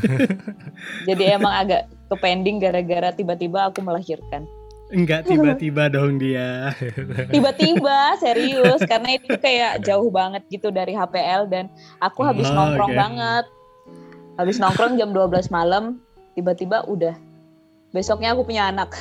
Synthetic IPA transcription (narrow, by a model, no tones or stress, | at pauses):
d͡ʒadiemaŋaɡaʔ | kəpendɪŋɡaɾaɡaɾat̪ibat̪ibaːkuməlaɦirkan | ŋɡaʔtibat̪ibadoɦŋdia | t̪ibat̪ibaseɾiʊskaɾənaiukajaʔd͡ʒaʊhbaŋət̪̚ɡit̪udaɾiɦapeɛldanakuɦabɪsnɔŋkɾɔbaŋət̪̚ | habɪsnɔŋkɾɔŋd͡ʒamduabəlasmalam | t̪ibat̪ibaʔudah | besɔk̚ɲaːkupuɲaːnak̚